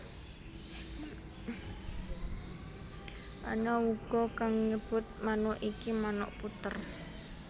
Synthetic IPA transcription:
ʔa̰nɔuɡ̥ɔ̤kaŋɲəb̥ʊ̤t̪̚manɔʔikimanɔ̰ʔput̪ər

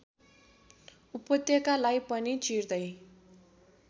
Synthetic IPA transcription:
upːʌt̪jʌkalajpʌnit͡sird̪ʌj

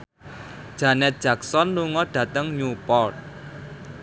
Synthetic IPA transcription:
d̥ʒ̥a̤nɛt̪̚d̥ʒ̥ä̤ksɔnluŋɔɖ̥ä̤t̪əŋɲupɔrt̪̚

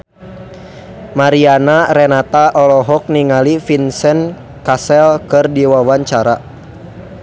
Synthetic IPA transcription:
maɾianaɾɛnat̪aʔɔlɔɦɔk̚niŋalifinsɛn | kasɛlkɨrdiwawaɲt͡ʃaɾa

